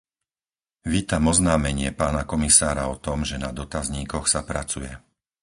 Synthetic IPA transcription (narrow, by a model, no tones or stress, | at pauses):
ʋiːt̪amɔznaːmɛɲɪɛpaːnakɔmisaːɾaɔt̪ɔmʒɛnad̪ɔt̪azɲiːkɔxsapɾat͡sujɛ